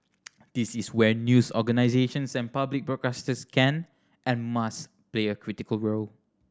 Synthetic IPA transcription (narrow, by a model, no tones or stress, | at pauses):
d̪̥isiswɛnjusɔɡanaɪzeʃə̃nsɛ̃npablik̚bɹɔt̚kastəskʰɛ̃n | ʔɛ̃nmas | pleəkʰɹitikəlɹol